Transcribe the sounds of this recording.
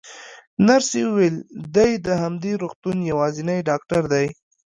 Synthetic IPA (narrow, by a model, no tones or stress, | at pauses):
naɾseuweld̪ajd̪əɦamd̪eɾoxt̪unjawɑzɪnajɖɑk̚ʈaɾd̪aj